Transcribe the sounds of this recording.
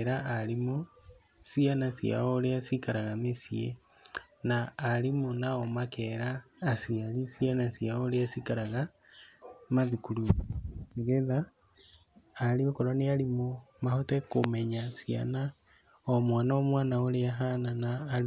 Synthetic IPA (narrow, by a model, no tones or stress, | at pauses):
ɾaalimo | sianasja̰oleasikaɾaɣamesie | naːlimonaomakeɾaːsialisianasjaoleasikaɾaɣa | maðikuluniɣeða | liokoɾonealimomahotekomeɲasia̰na | omwaːnaomwaːnaoleaɦananaː